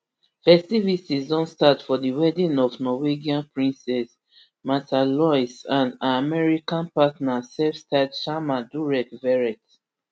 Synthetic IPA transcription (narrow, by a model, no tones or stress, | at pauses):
fɛstivisizɔ̃nstatfɔdiwɛdĩnɔvnɔweɡiãnpɹĩnsɛs | matʰalɔjsãnaamɛɹikãnpatnasɛfstadʃamaduɹɛkvɛɹɛt